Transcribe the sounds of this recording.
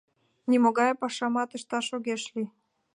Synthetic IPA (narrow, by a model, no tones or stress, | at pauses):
nʲimoɣɑjpɑʃɑmɑt̪ə̆ʃt̪ɑʃoɣeʃlʲi